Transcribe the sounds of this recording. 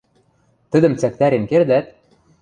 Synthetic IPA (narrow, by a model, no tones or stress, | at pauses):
t̪ə̆d̪ə̆mt͡sæk̚t̪æɾemkerd̪æt̪̚